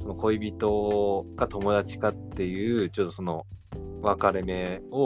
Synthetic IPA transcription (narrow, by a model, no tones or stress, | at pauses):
so̞no̞ko̞ibʲit̪o̞ɡat̪o̞mo̞d̪at͡ɕi̥kat̪ːe̞jɯ̟ːt͡ɕo̞ːt̪oso̞no̞̰βakaɾe̞me̞o